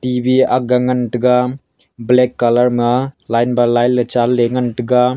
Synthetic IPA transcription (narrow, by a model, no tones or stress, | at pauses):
tibiaɡaŋɐntɯɡa | blekːalɐɾmɐlajnbalajlːɐt͡ʃalːeŋɐntɯɡa